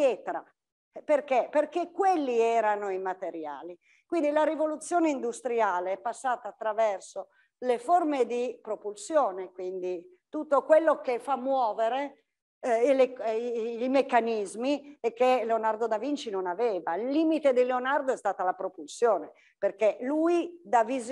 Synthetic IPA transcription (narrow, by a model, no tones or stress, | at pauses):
pjɛːt̪ɾa̰ | perkeperkekːwelːiɛːɾanoimat̪eɾja̰ːli | kwind̪ilaɾivolut̪sːjoːneind̪ust̪ɾiaːleɛpːasːaːt̪aːt̪ːɾavɛrso | leformed̪ipɾopulsjoːnekwind̪i | t̪ut̪ːokwelːokefamːwɔːveɾe | le | ilmekːanizmiekːeleonard̪od̪avint͡ʃinonavɛːvailːiːmit̪ed̪ileonard̪oɛst̪aːt̪alapɾopulsjɔːne | perkeluid̪aviz